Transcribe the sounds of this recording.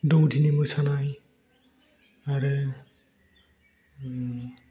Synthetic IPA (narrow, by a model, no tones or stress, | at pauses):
dɔwdʰinimɔjsanaj | aɾɯ